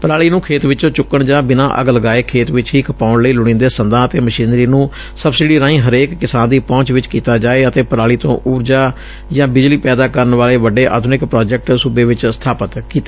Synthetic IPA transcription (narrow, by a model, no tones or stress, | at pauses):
pəɾaːɭiːnũːkʰeːt̪ʋɪt͡ʃːt͡ʃʊkːəɳd͡ʒãːbɪnã̰ːʔə̰ɡləɡaːeːkʰeːt̪ʋɪt͡ʃɦiːkʰəpaːʊɳləiːlʊɽ̃ĩːnd̪eːsənd̪ãːət̪eːməʃiːnɾiːnũː | səbsɪɖiːɾãːĩːɦəɾeːkːɪsaːnd̪iːpɔ̃ːt͡ʃʋɪt͡ʃkiːt̪aːd͡ʒaːeːət̪eːpəɾaːɭiːt̪õ̰ːʔuːɾd͡ʒaː | d͡ʒãːbɪd͡ʒliːpɛːd̪aːkəɾəɳʋaːleːʋəɖeːʔa̰ːd̪nɪkpɾaːd͡ʒɛk̚ʈsuːbeːʋɪt͡ʃst̪ʰaːpət̪kiːt̪a